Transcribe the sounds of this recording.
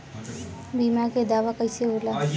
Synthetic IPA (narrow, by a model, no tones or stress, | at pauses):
bimaɾked̪aːʋakəjseɦola